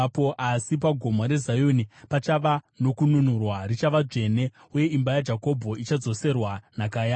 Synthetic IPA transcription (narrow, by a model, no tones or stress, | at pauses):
poʔasip̬aɡʱo̞moɾe̞zajonipat͡ʃaʋa | no̞kununurwarit͡ʃaʋad͡ʐe̞ne̞ | uje̞imbajad͡ʒako̞bʱo̞it͡ʃad͡zo̞se̞rwanakaːja